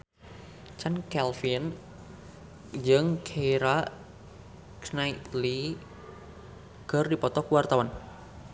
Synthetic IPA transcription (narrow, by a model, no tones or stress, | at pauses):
t͡ʃankɛlfin | d͡ʒɨŋkʰeiɾa | knait̪li | ɡ̥ərdipɔt̪ɔkuwart̪awan